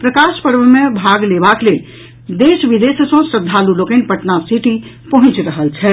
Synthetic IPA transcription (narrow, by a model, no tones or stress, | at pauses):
pɾəkaspəɾbəmebʱaɡlebaklel | d̪esbid̪essə̃sɾəd̪ʱːalulokənpəʈnasiʈi | pəɦũt͡ʃɾəɦəlt͡ʃʰɛ